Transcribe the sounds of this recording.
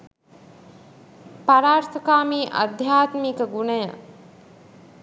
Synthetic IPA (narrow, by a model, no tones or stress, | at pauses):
paɾaːɾt̪əkaːmiːʔə̰d̪ʱjaːt̪mikəɡunəjə̰